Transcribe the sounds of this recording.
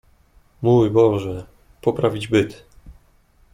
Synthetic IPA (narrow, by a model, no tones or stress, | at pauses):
mujbɔʐɛ | pɔpɾavʲid͡ʑbɘt̪